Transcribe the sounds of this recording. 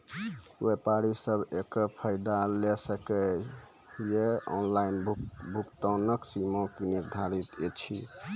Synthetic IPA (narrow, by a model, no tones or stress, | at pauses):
wepaɾisəbʱekəɾpʰəjd̪alesəkɛ | jeɔ̰nlainbʱukt̪ɔnəksimõkiniɾd̪ʱaɾit̪et͡ʃʰi